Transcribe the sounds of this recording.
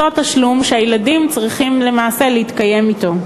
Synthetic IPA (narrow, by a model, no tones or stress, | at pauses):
oataʃlumʃeajeladimt͡sʁiχimle̞maːse̞leit̪kaje̞mito̞